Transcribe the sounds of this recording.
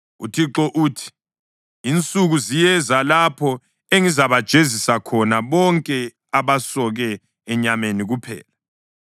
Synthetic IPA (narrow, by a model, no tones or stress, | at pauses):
ṵtʰiǁɔʔuːtʰi̥ː | nt͡sʼuɣuzijɛzalapʰɔ | eŋizaβad̥ʒ̥ʱezisakʰɔnaβɔŋkʼɛ | aβasɔɣɛː | ɲameniɣupʰɛ̰ːla